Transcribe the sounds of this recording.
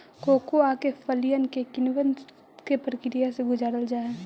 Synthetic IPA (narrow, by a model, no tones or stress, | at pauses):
koːkoaːkefəlijənkekɪnʋən | kepɾəkɪɾɪjaseɡʊzaːɾəld͡ʒaːɛː